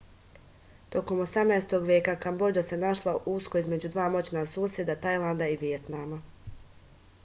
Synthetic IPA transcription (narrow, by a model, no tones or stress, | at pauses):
t̪o̞ko̞mo̞samnaest̪o̞ɡʋje̞ːkakambo̞d͡ʒase̞naʃlˠaʔuskoizme̞d͡ʑud̪ʋaːmo̞t͡ɕnasuːsje̞d̪at̪ajlˠand̪aiʋijet̪nama